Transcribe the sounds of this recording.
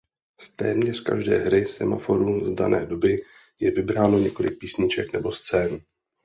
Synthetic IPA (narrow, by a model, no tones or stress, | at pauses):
st̪ɛːmɲɛr̝̥ka̰ʒdɛ̰ːɦɾɪsɛma̰fo̞ɾuzdanʔɛ̰ːdo̞bɪ | jɛvɪbɾaːno̞ɲɛko̞lɪk̚piːsɲɪt͡ʃɛknɛbo̞st͡sɛːnu